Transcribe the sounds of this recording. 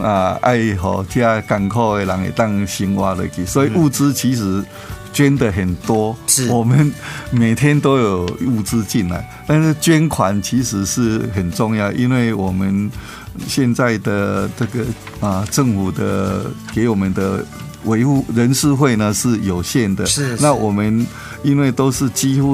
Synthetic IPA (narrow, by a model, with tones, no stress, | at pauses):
a˧˩ʔa̰˥˧ɪɦɔ̰˨˩t͡ɕja˦ka˨˩nkʰo˥˧ʊe˧la˨˧˦ŋḛ˨˩t̪a˥˧ŋɕi˥nwa˦lə̰˧˩ɪki˨˩swɔ˧˦˥i˨u˥˩˧t͡sɹ̩˦t͡ɕʰi˧˥ʂ̬ɻ̩˧˥ | t͡ɕɥɛ˦nd̪ə˨ɦə˨˩nt̪wɔ˦˧wɔ˨˩mə˨˦nme˨˩ɪt̪ʰjɛ˦nt̪o˦ʊjo˨˩ʊu˥˧t͡sɹ̩˦t͡ɕi˥˨nla̰˨˦ɪt̪a˥˧n̩˥˩t͡ɕɥɛ˦nkʰwa˨˦nt͡ɕʰi˧˥ʂɻ̩˧˦ʂɻ̩˥˩ɦə˨˩nt͡sɔ˥˧ŋja˥˨ʊʔi˦˥nwe˥˩ɪwɔ˨˩mə˦n | ɕjɛ˥˧nt͡sa˥˩ɪd̪ə˩ʈ͡ʂə˥˧ɡə˩ | ə˨ʈ͡ʂə˥˨ŋfu˨˩d̪ə̰˧ke˨˧˥ɪwɔ˨˩mə˨˦nd̪ə̰˧ | we˧˥ɪhu˥˩ɻə˧˦nʂɻ̩˥˧xwe˥˧ɪnə˨ʂɻ̩˥˩jo˨˩ʊɕjɛ˥˨nd̪ə˨na˥˨wɔ˨˩mə˦n | i˦˥nwe˥˩ɪt̪o˥ʊʂɻ̩˥˩˨t͡ɕi˦xu˦